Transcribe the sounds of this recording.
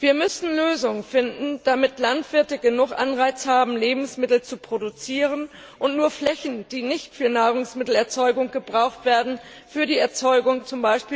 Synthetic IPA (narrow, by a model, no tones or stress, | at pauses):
viːɐmʏsn̩løːzʊŋəfɪndn̩d̥amɪtlantv̥ɪɐtəɡənʊχʔanʁaɪt͡shaːbm̩leːbm̩smɪtl̩t͡supʁ̥odut͡siːʁ̞ən | ʔʊntnuːɐflɛçn̩d̥iːnɪçtfyːɐnaːʁ̞ʊŋsmɪtl̩ɛɐt͡sɔʏɡʊŋɡ̥əbʁaʊxtv̥eːɐdn̩ | fyːɐdiːɛɐt͡sɔʏɡʊŋt͡sʊmbaɪʃpiː